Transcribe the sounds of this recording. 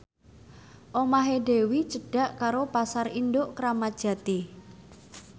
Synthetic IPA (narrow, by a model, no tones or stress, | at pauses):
ʔomaɦeɖe̤wit͡ʃəɖ̥a̤ʔkaɾopasarindoʔkɾamḁʒ̥ä̤t̪i